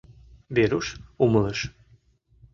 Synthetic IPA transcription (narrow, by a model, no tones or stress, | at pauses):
βeɾuʃumələʃ